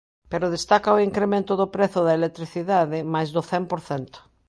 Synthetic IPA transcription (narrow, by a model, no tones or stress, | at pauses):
peɾʊðest̪akaoiŋkɾemẽnt̪ʊðʊpɾeθʊðɐelek̚t̪ɾiθiðaðɪmajzðʊθɛmpoɾθɛnt̪ʊ̥